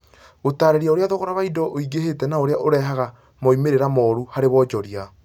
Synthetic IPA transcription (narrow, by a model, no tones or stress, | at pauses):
ɣotaɾeɾjaoɾeaðoɣɔɾaβaidɔʔoiɡeɦetɛnaoɾeaʔoɾɛɦaɣa | mɔimeɾeɾamɔːɾuhaɾeβɔd͡ʒɔɾia